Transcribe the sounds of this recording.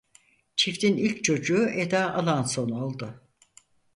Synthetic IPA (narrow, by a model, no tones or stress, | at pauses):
t͡ʃʰift̪inilʲct͡ʃʰo̞d͡ʒuːʔed̪aʔalˠanso̞nolˠd̪ʊ